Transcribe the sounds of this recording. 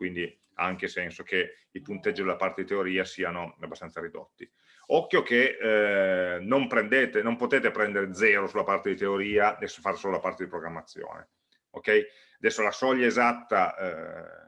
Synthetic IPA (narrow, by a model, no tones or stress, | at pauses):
kwind̪i | aaŋkesɛnsok̟e | ipunt̪ɛd͡ʒːid̪elːapart̪ed̪it̪eoɾiːasiːanoabːast̪ansaɾid̪o̰t̪ːi | ɔkːjok̟e | nompɾend̪eːt̪enompot̪eːt̪epɾɛnd̪eɾed̪zɛːɾosulapart̪ed̪it̪eoɾiːaesfarsoːlolapart̪ed̪ipɾoɡɾamːat̪sːjo̰ːnḛ | o̰kːɛj | ad̪ɛsːolasɔʎːaezat̪ːa